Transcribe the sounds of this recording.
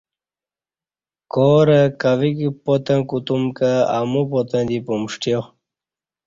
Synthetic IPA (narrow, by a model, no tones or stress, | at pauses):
koːɾəkɐʋikipot̪ə̃kut̪umkaːmupot̪ə̃d̪ipumʂʈjo